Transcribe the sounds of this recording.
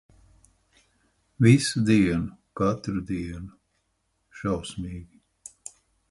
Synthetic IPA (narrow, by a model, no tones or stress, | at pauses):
visud̪iɛnukat̪ɾud̪iɛnu | ʃawsmiːɡʲi